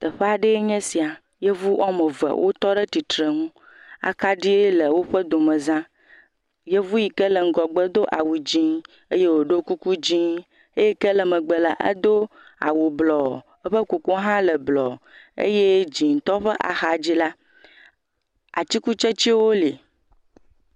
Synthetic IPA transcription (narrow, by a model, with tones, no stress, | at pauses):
t̪ə˨ɸe˦a˨ɖe˦ɲɛ̃˦si˨a˨ | je˦vu˦ʔɔ˦mə˨və̰˨wʔo̰˦t̪ɔ˦ɖə˦t̪i˨t̪ɾə˨ŋũ˦ | a̰˨ka˦ɖi˦e˦lə˨wo˦ɸə˦d̪o˨mə̃˨zã˦ | je˦vu˦ji˨kə˦lə˨ŋ̩˨ɡɔ˨ɡ͡bə˦d̪o˦ʔa̰˨wu˨d͡ʑĩ˦ | e˦je˦wo˨ɖo˦ku˦ku˦d͡ʑĩ˦ | e˦je˦kə˦lə˨mə˨ɡ͡bə˨la˨ʔə̰˦d̪o˦a̰˨wo˨blɔ˨ | ə˦ɸə˦ku˨ku˦ɦã˦lə˨blɔ̰˨ḛ˦je˦d͡ʑĩ˨ŋ̩˨t̪ɔ˦ɸə˦ʔa̰˨xa˨d͡ʑi˦la˦ | a̰˨t͡ɕi˦ku˦t͡ʃe˦t͡ɕi˦wo˦li˨